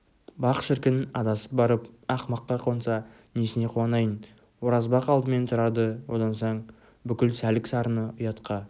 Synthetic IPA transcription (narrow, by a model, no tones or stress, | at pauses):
bɑqʃɪɾkʲɪnɑd̪ɑsə̥p̚bɑɾəpɑqmɑqːɑqʰo̞nsɑ | nesɪne̞qʰuɑnɑjən | woɾɑzbɑqɑlˠd̪əme̞nt̪ʰʊɾɑd̪əwo̞d̪ɑnsoɴ | bʏkʲɪlsælɪksɑɾənəʊjɑt̪qʰɑ